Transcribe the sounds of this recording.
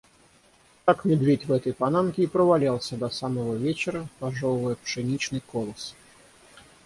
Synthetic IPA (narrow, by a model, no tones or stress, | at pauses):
k̪akmʲɪd̪vʲetʲvɛt̪əjpɐnamkʲɪipɾəvalʲalˠsʲəd̪ɐsaməvəvʲet͡ɕɪɾəpɐʐolˠɨjəpʂɨnʲit͡ɕnɨjkolˠəs